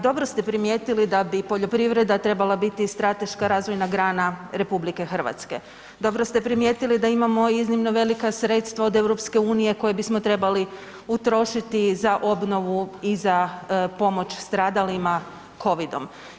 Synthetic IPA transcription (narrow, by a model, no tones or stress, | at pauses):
d̪o̞bɾo̞st̪e̞pɾimje̞ːt̪ilid̪abipo̞ʎo̞pɾiʋɾe̞d̪at̪ɾe̞balˠabit̪ist̪ɾat̪e̞ʃkaɾaːzʋo̞jnaɡɾaːnaɾe̞publike̞xr̩ʋa̰t̪ske̞ | d̪o̞bɾo̞st̪e̞pɾimjeːt̪ilid̪aimamo̞iznimno̞ʋe̞likasɾe̞t̪st̪ʋao̞d̪e̞wɾo̞pske̞uːnije̞ko̞je̞bismot̪ɾe̞bali | ut̪ɾo̞ʃit̪izaʔo̞bno̞ʋuizapo̞mo̞t͡ʃst̪ɾaːd̪alima | kʰo̞ʋid̪o̞m